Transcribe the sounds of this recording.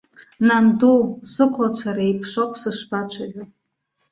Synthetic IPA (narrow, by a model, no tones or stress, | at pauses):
nandusɨkʷʰlat͡ɕʷʰaɾaejpʰʂokʷʰsɨʂbat͡ɕʷʰaʕʷᶣo